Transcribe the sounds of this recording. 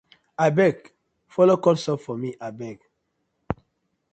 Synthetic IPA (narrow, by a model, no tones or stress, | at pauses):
abɛk | fɔlokɔlsɔpfɔmiʔabɛk